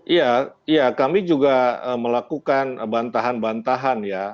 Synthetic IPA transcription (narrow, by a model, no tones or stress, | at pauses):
ʔijaijakamid͡ʒuɡaəməlakukanbant̪aɦanbant̪aɦanja